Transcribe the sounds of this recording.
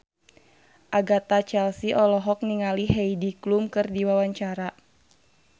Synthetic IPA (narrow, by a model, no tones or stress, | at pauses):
ʔaɡat̪at͡ʃɛlsiʔɔlɔɦɔk̚niŋaliɦɛjdiklumkɨrdiwawaɲt͡ʃaɾa